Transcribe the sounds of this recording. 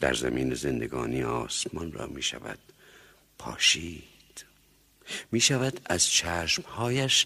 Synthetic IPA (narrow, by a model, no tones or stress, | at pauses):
d̪̥æ̰ɾzæ̰miːnezend̪eɡɒːniːɒːsmɒnrɒ̰ːmiːʃæ̰væ̰d̪̥ | pʰɒ̰ːʃiː | d̪̥ | miːʃævæd̪æz̥t͡ʃʰæːʃmhɒːjæʃ